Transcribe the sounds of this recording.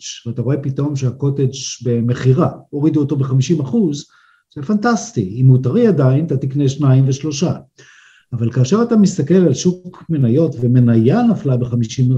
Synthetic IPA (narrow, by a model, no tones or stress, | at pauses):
d͡ʒvataʁo̞e̞pito̞mʃeako̞ted͡ʒbe̞me̞χiʁao̞ʁiduoto̞be̞χamiʃimaχuz | zefantastiimeutaʁiadainat̪atikne̞ʃnaimveʃlo̞ʃa | avalkaːʃe̞ʁatamistake̞lalʃukkme̞najo̞tvemenajanaflabe̞χamiʃim